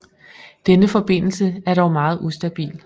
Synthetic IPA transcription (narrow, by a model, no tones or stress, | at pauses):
d̥enəfɒ̽b̥e̝n̰l̩səæɐɾɒʊmɑ̈ːð̞̩ˠʔusd̥æb̥ḭːl